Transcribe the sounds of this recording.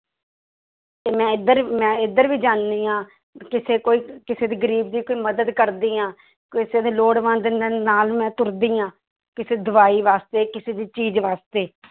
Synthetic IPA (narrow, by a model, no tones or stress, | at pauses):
t̪eːmɛ̃ːɪd̪əɾmɛ̃ːɪd̪əɾʋiːd͡ʒaːnd̪iːãː | kɪseːkoːiːkɪseːd̪iːɡəɾiːb̚d̪iːkoːiːməd̪əd̪kəɾd̪iːãː | kɪseːd̪iːloːɽʋə̃ːnd̪ɪneːnaːlmɛ̃ːt̪ʊɾd̪iːãː | kɪseːd̪ʊʋaːiːʋaːst̪eːkɪseːd̪iːt͡ʃiːd͡ʒʋaːst̪eː